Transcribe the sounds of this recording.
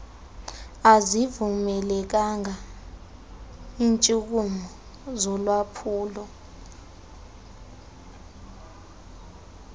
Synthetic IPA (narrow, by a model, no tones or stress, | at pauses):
azivumɛlɛk̬aŋʱa | int͡ʃʼuk̬umɔ | zɔlwapʰuːlɔ